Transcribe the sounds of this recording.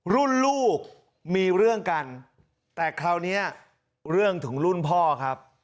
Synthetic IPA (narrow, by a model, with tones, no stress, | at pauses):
ɾu˥˩nluː˥˩k̚ | miː˧ɾɯ˥˩əŋka˧n | t̪ɛː˨˩kʰɾa˦˧˥wni˦˥ɐ | ɾɯ˥˩əŋt̪ʰɯ˩˦ŋɾu˥˩npʰɔː˥˩kʰa˦˥p̚